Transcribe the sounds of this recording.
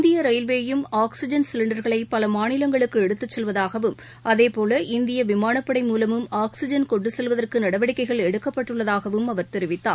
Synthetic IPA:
nd̪ɪjɐɾɐɪlʋeːjɯmaːksɪd͡ʒɐnsɪlɪɳɖɐɾɣɐɭɐɪpːɐlɐmaːnɪlɐŋɡɐɭɯkːɯɛɽɯt̪ːɯt͡ʃːɛlʋɐðaːɣɐʋɯm | ʔɐðeːpoːlɐʔɪnd̪ɪjɐʋɪmaːɳɐpːɐɽɐɪmuːlɐmɯmaːksɪd͡ʒɐnkɔɳɖɯsɛlʋɐðɐrkɯnɐɽɐʋɐɽɪkːɐɪɣɐɭɛɽɯkːɐpːɐʈːɯɭːɐðaːɣɐʋɯmɐʋɐɾt̪ɛɾɪʋɪt̪ːa̰ː

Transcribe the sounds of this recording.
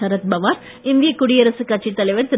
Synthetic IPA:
ɐɾɐt̪̚bɐʋaːɾ | ɪnd̪ijɐkːʊɽiɐɾɐsɯkɐʈ̚t͡ʃːit̪ːɐlɐɪʋɐɾt̪ɪ

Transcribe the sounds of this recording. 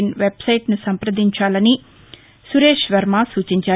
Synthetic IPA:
nʋebsɐjʈnusɐmpɾɐd̪iɲt͡ʃaːlɐni | suɾeːʃʋɐɾmaːsuːt͡ʃiɲt͡ʃaː

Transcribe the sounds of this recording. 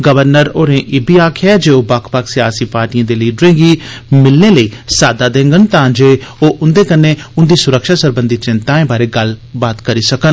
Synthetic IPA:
ɡəʋəɾnəɾoːɾẽːʔɪːbiːaːkʰɛːd͡ʒeːoːbaːkʰpaːksɪjaːsiːpaːɾʈijãːd̪eːliːɖɾẽːɡiːmɪlneːləiːsaːd̪aːd̪ẽːŋɡənt̪ãːd͡ʒeːoːʔʊnd̪eːkənːeːʊnd̪iːsʊɾəkʃaːsəɾbənd̪it͡ʃɪ̃nt̪aːẽːbaːɾeːɡəlbaːt̪kəɾiːsəkən

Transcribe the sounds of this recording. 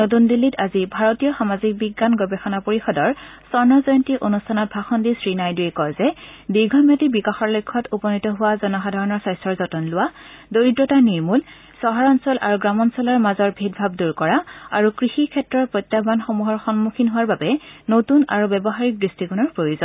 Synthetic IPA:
not̬undilːitazibʱaɹotijɔxamazik̚biɡːanɡɔbɛxɔnapoɹixɔdɔɹsɔɹnɔzɔjɔntiʔonustʰanɔt̚bʱaxɔndisɹinajduɛkɔjzɛdiɡʱɔmjatibikaxɔɹlojkʰːɔtupɔnitɔɦʊwazɔnɔxadʱaɹɔnɔɹsajstɹɔɹzɔtɔnlʊwadoɹidɹɔtaniɹmul | sɔɦaɹɔnsɔlʔa̰ɹuɡɹamɔnsɔlɔɹmazɔɹbʱit̚bʱab̚duɹkɔɹaa̰ɹukɹixikʰɛtɹɔɹpɹojtːabanxomuɦɔɹxɔnmukʰinɦʊwaɹbabɛnotuna̰ɹubɛbɔɦaɹik̚dɹistiɡunɔɹpɹojozɔn

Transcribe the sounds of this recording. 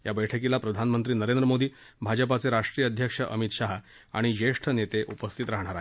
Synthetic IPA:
jabəjʈʰəkilapɾəd̪ʱanmənt̪ɾiːnəɾend̪ɾəmod̪iː | bʱad͡ʑəp̬at͡seɾaʂʈɾijəd̪ʱjəkʂəʔə̰mit̪ɕaɦa | a̰ɽ̃id͡ʑeʂʈʰənet̪eʔupəst̪ʰit̪ɾaɦɳ̃aɾaɦe

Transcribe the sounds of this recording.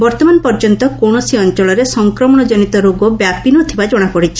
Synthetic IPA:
bɔɾt̪ɔmanpɔɾd͡ʒɔnt̪ɔkoɽ̃ɔsiɔnt͡ʃɔɭɔɾesɔŋkɾɔmɔɽ̃ɔd͡ʒɔnit̪ɔɾoɡɔbjapinot̪ʰibad͡ʒɔɽ̃apɔɽit͡ʃʰi̥

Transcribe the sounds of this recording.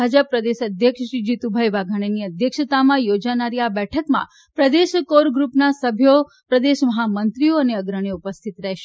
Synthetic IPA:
bʱad͡ʒəpːɾəd̪eʃəd̪ʱjəkʂəʃid͡ʒit̪ubʱajʋaɡʱaɳ̃eniəd̪ʱjəkʃət̪amãjod͡ʒanaɾiabɛʈʰəkmã̰ | pɾəd̪eʃkoɾɡɾupnasəbʱjo | pɾəd̪eʃməɦamənt̪ɾijoəneəɡɾəɳ̃eupəst̪ʰit̪ɾɛɦʃe

